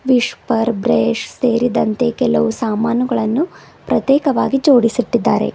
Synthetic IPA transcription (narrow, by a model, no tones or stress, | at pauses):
ʋiʂpɐɾbɾeːʂseːɾid̪ɐnt̪e̞kɛlɐʋusaːmaːnuɡɐɭɐnːu | pɾɐt̪jɛːkɐʋaːɡid͡ʒoːɽisit̪ːid̪ːa̰ːɾe̞̰